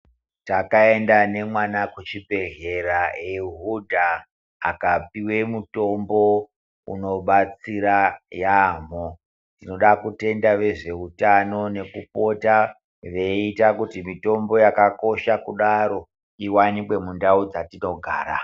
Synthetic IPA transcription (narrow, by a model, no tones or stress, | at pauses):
takae̞ndane̞mwanakut͡ʃibʱe̞ɮe̞ɾaeɦudʱa̰ː | kapiwe̞muto̞mbo̞ | ṵno̞ɓat͡siɾajamo | tino̞ɗakute̞ndaʋe̞ʐe̞utano̞ne̞kupo̞ta | ʋe̞itakutimito̞mbo̞jakako̞ʃakuɗaɾo̞ | iwanikwe̞mundaud͡zatino̞ɡʱaːɾa